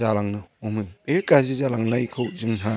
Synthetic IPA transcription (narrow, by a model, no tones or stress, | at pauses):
alaŋnɯɔmɯekazizalaŋnaikʰɯwzɯŋna